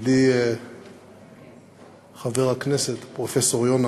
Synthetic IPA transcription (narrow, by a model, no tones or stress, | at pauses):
d̪i | χaveʁakneset̪pʁofesoʁjona